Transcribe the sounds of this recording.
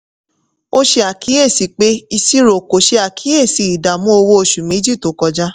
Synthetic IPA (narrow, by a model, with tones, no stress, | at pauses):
o˦ʃe˧a˨ki˨˦e˦˨si˨˦k͡pe˦i˧si˦ɾo˨ko˨ʃe˧˦a˨kʰi˨˦e˦˨si˨˧˨i˨da˨mũ˦o˧wo˧˦o˧ʃu˨mĩ˨˦d͡ʒi˦˨to˨˦kɔ˧d͡ʒa˦